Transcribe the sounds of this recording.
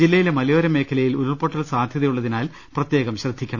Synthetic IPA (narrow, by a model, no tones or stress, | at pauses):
d͡ʑilːɐjilemɐlɐjoːɾɐme̞ːkʰɐlɐjiluɾɐrpoʈːɐlsaːd̪ʱjɐðɐjuɭːɐðinaːl | prɐt̪je̞ːɣɐmɕrɐd̪ʱːikʲːɐɳɐ